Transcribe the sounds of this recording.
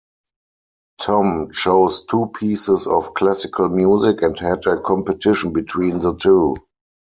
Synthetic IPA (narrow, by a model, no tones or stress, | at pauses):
tʰɔ̃mʃoʊstʰuːpʰiːsɪsɔfkʰlæsɪkʰəlmjuːzɪkɛ̃nthɛdəkʰɔ̃mpətʰɪʃə̃nbɪtʰwĩːnðətʰuː